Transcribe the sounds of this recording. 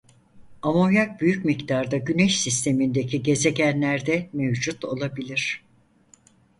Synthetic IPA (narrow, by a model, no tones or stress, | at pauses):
amo̞jak̚byjycmict̪ʰaɾd̪aɟynɛʃsist̪ʰe̞mind̪e̞cʰiɟe̞ze̞ɟænlʲæɾd̪ɛmevd͡ʒut̪o̞̰lˠabilʲiɾ̝̥